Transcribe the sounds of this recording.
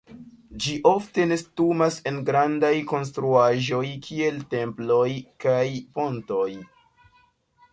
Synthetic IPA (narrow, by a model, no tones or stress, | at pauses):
d͡ʒiʔo̞fte̞ne̞stumase̞nɡɾandajko̞ns̬tɾuaʒo̞jkʰie̞lte̞mplo̞jkajpo̞nto̞j